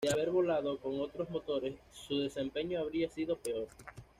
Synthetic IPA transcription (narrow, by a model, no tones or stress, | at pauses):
ðeaβe̞ɾβo̞laðo̞ko̞ŋo̞t̪ɾo̞zmo̞t̪o̞ɾe̞sːuðe̞se̞mpe̞ɲoaβɾiasiðo̞pe̞o̞ɾ